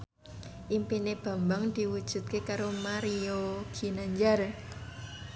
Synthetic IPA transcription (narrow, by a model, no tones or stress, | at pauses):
ʔimpineb̥a̤mbaŋd̪̥i̤wud̥ʒ̥ṳt̪̚kekaɾomaɾioɡ̥i̤naɲd͡ʒar